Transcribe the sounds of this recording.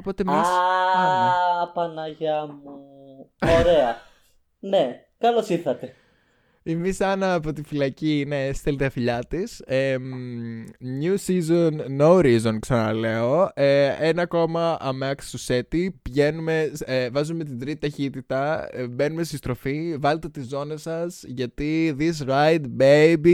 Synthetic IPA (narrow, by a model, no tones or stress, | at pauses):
opo̞t̪emis | pɐnɐʝɐmu | oɾeɐ | ne | kɐlosiɾθɐt̪e̞ | emisɐnɐːpo̞t̪̬ifilɐcinest̪elt̪eɐfiʎɐt̪isem | ɲusizonːowɾizonksɐnɐle̞o̞eenɐko̞mɐʔɐmeɐkssuse̞t̪ipʝe̞nume̞vɐzumet̪̬id̪ɾit̪i̥t̪ɐçit̪it̪ɐbe̞numest̪ist̪ɾo̞fivɐlet̪e̞t̪izo̞ne̞sɐsʝɐt̪iðis̬ɾajt̪bejbi